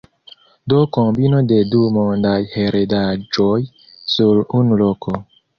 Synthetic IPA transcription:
dokombinode̞dumondajheɾedad͡ʒoj | suɾunuloko

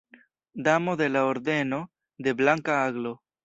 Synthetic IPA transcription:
d̪amo̞d̪e̞laoɾd̪e̞no̞ | d̪e̞blaŋkaaɡlo̞

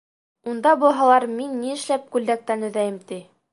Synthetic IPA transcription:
und̪ɑbŏɦɑlˠɑɾminːiɘ̆ʃlæp̚kʉld̪æk̚t̪ænɵ̆ðæjɘmt̪i

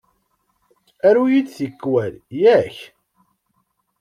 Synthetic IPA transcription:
æɾujid̪θəkːwæljæç

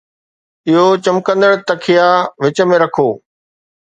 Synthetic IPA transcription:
ɪɦot͡ɕɐmkə̃nd̪əɽt̪ɐkʰijaʋɪt͡ɕəmẽɾɐkʰoː

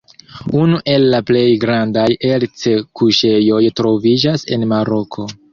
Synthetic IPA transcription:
unuʔe̞lːaple̞jɡɾandajelt͡se̞kuʃe̞jo̞jtɾo̞vid͡ʒase̞̰nmaɾo̞kʰo̞

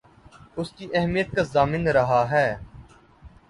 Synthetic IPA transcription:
ʊskiʔɛɦmijət̪̚kazaːmɪnɾɐɦaɦɛː

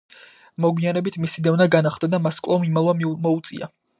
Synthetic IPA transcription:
mɔɡwianɛbit̪ʰmisid̪ɛvnaɡanaχd̪ad̪amaskʼlˠɔmimalˠvammɔut̪sʼḭa̰

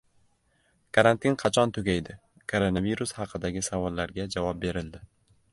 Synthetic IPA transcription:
kʰaɾant̪ʰinqʰɑt͡ʃʰɒnt̪ʰʊɡʲajd̪ɪ | kʰoɾonaviɾʊshɑqʰɨd̪aɡʲɪsavɒlˠːaɾɡʲad͡ʒavɒp̚be̞ɾɪld̪ɪ

